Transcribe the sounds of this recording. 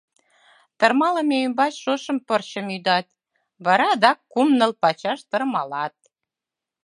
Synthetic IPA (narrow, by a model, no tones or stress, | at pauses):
t̪ɤ̆rmɑlə̆meymbɑt͡ɕʃoʃə̆mpɤrt͡ɕə̆mjyd̪ɑt̪ | βɑɾɑd̪ɑkːumnə̆lpɑt͡ɕɑʃt̪ə̆rmɑlɑt̪̚